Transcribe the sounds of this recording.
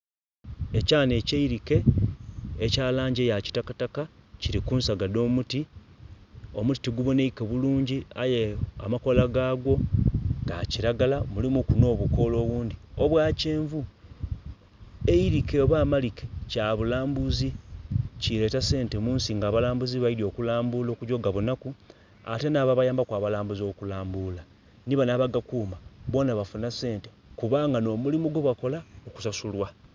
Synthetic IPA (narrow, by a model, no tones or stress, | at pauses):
e̞caːne̞ːceiɾike̞ː | caːlaːɲɟejaci̥takatakaciɾikuːnsaɡado̞ːmuti | o̞muti̥tiɡuβoneikeβuluːɲɟiajea̰mako̞laɡaːɡwo̞ŋɡa̰ciɾaɡalamulimukuno̞ːβuko̞ːlo̞ːβuːndioβwaːce̞ːɱvu | eiɾikeβwaːmalikecaβulaːmbuzicile̞ːtase̞ːnte̞muːnsiŋɡaːβalaːmbuziβajidjo̞ːkulaːmbulo̞kuɟo̞ɡaβunaku | a̰te̞naβaβajaːmbakwaːβalaːmbuzo̞kulaːmbula | niβanaβaɡakuːmaβo̞ːnaβafunase̞ːntekuβaːŋɡano̞mulimuɡoβwako̞laoku̥sasulwa